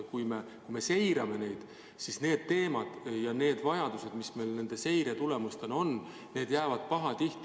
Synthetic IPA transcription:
kujme̞ | ujme̞se̞jɾɑme̞ne̞jd̪̥ | sisne̞ːd̪̥̚t̪e̞ːmɑd̪̥jɑne̞ːd̪vɑjɑd̪̥use̞d̪misme̞jlne̞nd̪̥e̞se̞jɾet̪ule̞must̪e̞no̞n | ne̞ːd̪̥jæːvɑd̪̥̚pɑɦɑt̪iht̪ˑ

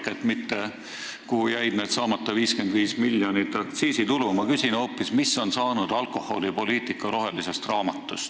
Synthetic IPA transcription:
ket̪mit̪ːe | kuhujæjd̪̥ned̪sɑːmɑt̪ːˑɑviːske̞nd̪viːsmiljonit̪ːˑɑkt̪siːsit̪ulumɑkysʲino̞ːpːismisːo̞nsɑːnud̪̥ɑlko̞ho̞̰lipo̞liːt̪ˑikːˑɑɾo̞ɦe̞lise̞st̪rɑːmɑt̪ˑːust̪

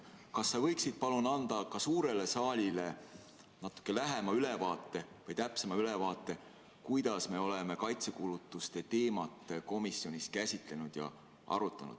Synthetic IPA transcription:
kɑsːɑvɤ̞jksid̪̥̚pɑlunɑnd̪̥ɑkɑsuːɾe̞le̞sɑːlʲile̞ | nɑt̪ːˑu̥kːˑe̞læɦe̞mɑyle̞vɑːt̪ˑːe̞vɤjt̪æpse̞mɑylevɑːt̪ːˑe̞ | kujd̪̥ɑsme̞o̞leme̞kɑjt̪se̞kulut̪ːˑust̪e̞t̪e̞ːmɑt̪ˑːko̞misːjo̞nʲiskæsʲit̪ˑle̞nud̪̥jɑ̰ | ʔɑ̰ɾut̪ːˑɑ̰nṵd̪̥

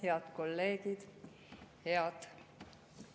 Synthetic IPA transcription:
heɑt̪ko̞lːe̞ːɡ̥id̪̥ | heɑd̪̥

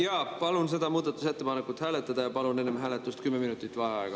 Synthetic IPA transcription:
jɑːpɑlunse̞d̪ɑmuːd̪̥ɑt̪ːˑuse̞t̪ːe̞pɑnekːˑut̪hæːlet̪ːˑɑd̪̥ɑjɑpɑlune̞nːemɦæːlet̪ːˑust̪kymːeminut̪ːˑit̪ːˑvɑeɑeɡ̥ɑ

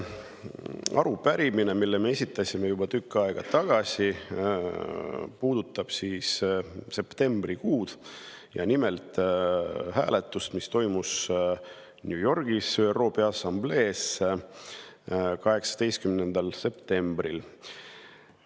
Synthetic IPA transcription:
ɑ̰ɾupæɾimine̞milːe̞me̞e̞sʲit̪ˑːɑsʲime̞jub̥ɑt̪ykːɑeɡ̥ɑt̪ɑɡ̥ɑsʲi | puːd̪̥ut̪ːˑɑb̥siːsse̞pt̪e̞mb̥rikuːd̪̥ | jɑ̰nime̞lt̪ | hæ̰ːle̞t̪ːˑust̪mist̪o̞jmus | njuːjo̞rɡ̥isøːero̞ːpeɑsɑmble̞ːs | kɑɦe̞ksɑ̥d̪e̞jst̪̚kymnend̪̥ɑlse̞pt̪e̞mbɾil

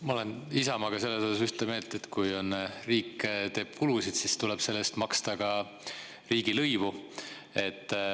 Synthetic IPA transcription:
mɑole̞nisɑmɑɡ̥ɑse̞lːesosɑsyht̪eme̞ːlt̪e̞t̪kujo̞nriːkːt̪e̞ːb̥̚kulusid̪̥sist̪uleb̥se̞lːest̪mɑkst̪ɑkɑ | riːɡilɤjvu | e̞t̪ː

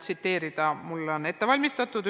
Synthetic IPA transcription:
t̪sit̪ːe̞ːɾid̪̥ɑmulːo̞ne̞t̪ːe̞vɑlʲmist̪ɑt̪ːˑud̪̥

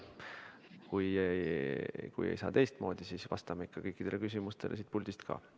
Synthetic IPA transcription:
kuje | kṵjḛjsɑ̰ːt̪e̞jst̪mo̞ːd̪̥isiːsvɑ̰st̪ɑmeikːɑkɤjkːˑid̪̥e̞lekys̬ʲimust̪e̞lʔe̞s̬iːt̪̚pulʲd̪̥ist̪kʰɑ̰ː

